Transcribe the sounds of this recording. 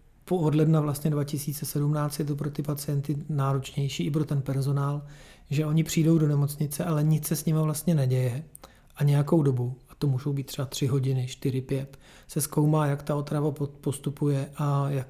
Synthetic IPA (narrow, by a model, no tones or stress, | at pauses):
poodlɛdnavlast̪ɲɛdvacɪsiːt͡sɛsɛdumnaːt͡st̪jɛt̪̬o̞p̬ɾot̪ɪpat͡sɪjɛnt̪ɪnaːɾo̞t͡ʃɲɛjʃiːɪp̬ɾo̞t̪ɛnpɛɾzo̞naːlʒɛʔo̞ɲɪpr̝̥iːdo̞wdo̞nɛmo̞t͡sɲɪt͡sɛʔalɛɲɪt͡ssɛsɲɪmavlast̪ɲɛnɛɟɛjɛ | ʔaɲɛjako̞wdo̞buat̪o̞muːʒo̞wbiːt̪ːr̥ɛbat̪r̝̥ɪɦo̞ɟɪnɪʃt̪ɪɾɪpjɛt̪ | sɛsko̞wmaːjakt̪ao̞t̪ɾavapopo̞st̪upujɛʔajak